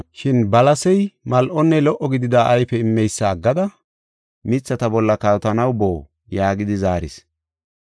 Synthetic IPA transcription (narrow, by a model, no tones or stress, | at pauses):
ʃɪnbɐlɐsɛjmɐlʔɔnːɛlɔʔːɔɡɪd̪ɪd̪aːʔɐjfɛɪmːɛjsːaːɡːɐd̪ɐ | mɪt͡sːɐt̪ɐbɔlːɐkaːt̪ɐnɐwboː | jaːɡɪd̪ɪzaːɾɪ̰s